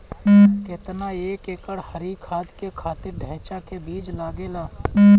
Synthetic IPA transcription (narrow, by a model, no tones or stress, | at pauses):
kɪt̪naeːkeːkəɽhəɾikʰaːd̪kekʰaːt̪ɪɾɖʱɛːt͡ʃakebiːd͡ʒlaːɡelaː